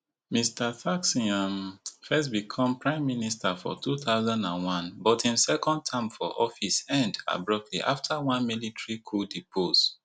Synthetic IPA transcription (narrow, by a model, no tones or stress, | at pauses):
mistaθaksĩãmfɛstbikʰɔ̃mpɹãɪ̃mːinistafɔ̰tʰuθaʊzãndãnwãnbɔtʰĩnsɛkɔ̃nd̚tʰãɪ̃mfɔʔɔfisɛ̃nda̰bɹɔp̚tʰlḭʔa̰ftʰawãnmilitʰɹikʰuldipʰos